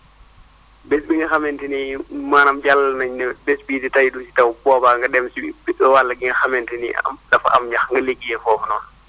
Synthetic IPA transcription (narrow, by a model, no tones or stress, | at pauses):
bɛsbiŋɡɐxamɛntinimaːnamd͡ʒalːɐnaɲnɛbɛsbiːtitajdusitawbɔːbaːŋɡɐdɛmsibiɔwalːɐɡiŋɡɐxamɛntɛniamdɐfa̰ʔa̰mɲaxŋɡɐleɡːijɛfɔːfɔnɔːn